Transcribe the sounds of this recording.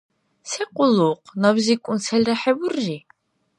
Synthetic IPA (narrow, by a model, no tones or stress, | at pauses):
sɛqʼʊluqʰʼnawzikʷʼʊnsʰɛlʲɾaħɛwurːi